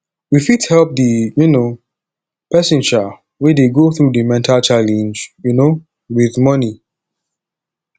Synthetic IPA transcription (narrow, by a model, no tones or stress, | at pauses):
wifithɛlp̚dijuno | pɛsĩnd͡ʒa | wedeɡoθɹudɨmɛ̃ntʰalt͡ʃalɛ̃nd͡ʒjuno | wiðmʌni